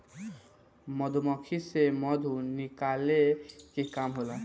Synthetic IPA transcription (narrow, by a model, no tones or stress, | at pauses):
mɔd̪ʱumɔkʰisemɔd̪ʱunikalekekamɦola